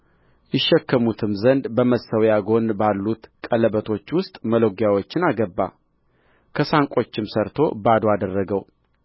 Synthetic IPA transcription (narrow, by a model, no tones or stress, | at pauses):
jɪʃːɛkːəmut̪ʰɨmzənd̪bəməsəwjaɡo̞nbalːut̪kʼələbət̪ʰo̞t͡ʃːwʊst̪ʼməloɡjawo̞t͡ʃːɪnaɡəbːa̰ | kʰəsaŋkʼo̞t͡ʃːɪmsəɾt̪ʰo̞̰bad̪oad̪ərːəɡəw